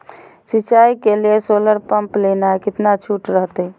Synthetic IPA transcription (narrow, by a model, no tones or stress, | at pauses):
sit͡ʃaikeliesoləɾpəmplenaekɪt̪nat͡ʃʰuʈɾəɦt̪ɛ